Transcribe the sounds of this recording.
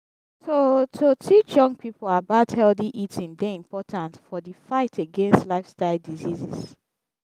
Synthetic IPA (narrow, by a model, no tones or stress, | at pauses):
sotʰotʰit͡ʃjʌ̃ŋpʰipol̩abathɛldiʔitʰĩndeĩmpʰɔtʰãntfɔðəfaɪtʰeɡɛ̃nstlaɪfstaɪlˠdizizis